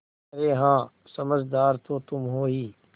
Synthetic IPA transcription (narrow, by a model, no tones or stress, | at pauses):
ɐɾeːɦãː | sɐməd͡ʒd̪aːɾt̪ot̪ʊmɦoːɦiː